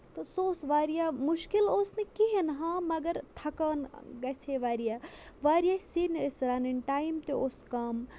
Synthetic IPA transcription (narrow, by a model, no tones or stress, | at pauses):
t̪ɐsoːsʋaːɾijaːmuʃkiloːsnikiɦenɦãːmɐɡɐɾt̪ʰɐkaːnɡɐt͡sʰeʋaːɾijaːʋaːɾijasinəsɾaːninʈaːjimt̪eoːskɐm